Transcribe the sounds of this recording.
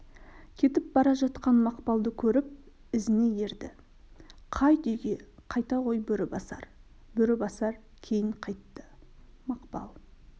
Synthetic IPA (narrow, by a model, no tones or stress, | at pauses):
kʲʰe̞t̪ɪp̚bɑɾɑʒɑt̪qɑnmɑqpɑlˠd̪əkʲʰɵɾɪp̚ | ɪzɪne̞je̞ɾd̪ɪ̰ | qʰɑjd̪ʏjɡʲe̞qʰɑjt̪ɑʁo̞jbʏɾɪbɑsɑ̰ɾ | bɵɾɪbɑsɑɾ | kʲʰe̞jɪɴqʰɑjt̪ːə̥mɑqpɑ̰lˠ